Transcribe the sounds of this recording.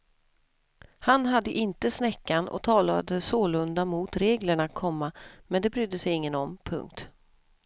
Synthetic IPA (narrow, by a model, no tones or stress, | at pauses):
hanɦad̪ːəʔɪnt̪əsnɛkːanɔ̰t̪ʰɑːla̰d̪əsoːlɵnd̪amut̪ɾeːɡləɳat̪̚kʰɔmːamɛnd̪ɛbɾʏd̪ːəsɛjɪŋːənɔmpʰɵ̰ŋk̚t̪